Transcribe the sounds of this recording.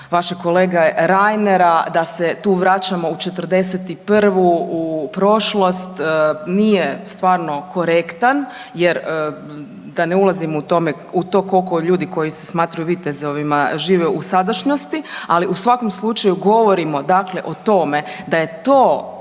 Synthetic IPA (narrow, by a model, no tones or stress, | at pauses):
ʋaʃeko̞leːɡaeɾajneɾad̪aset̪uːʋɾat͡ɕamo̞ut͡ʃe̞t̪ərd̪e̞set̪ipr̩ʋuupɾo̞ʃlˠo̞st̪ːnijest̪ʋaːɾno̞ko̞ɾe̞kt̪an | jeɾə | d̪aneulˠazimout̪o̞me | ut̪o̞ːko̞lko̞ʎuːd̪iko̞jisesmaːt̪ɾajuʋiːt̪ezoʋimaʒiːʋeusad̪aʃɲost̪ialiʔusʋako̞mslˠut͡ʃajuɡo̞ʋo̞ɾimo̞d̪akleʔo̞t̪o̞me̞d̪aje̞t̪oː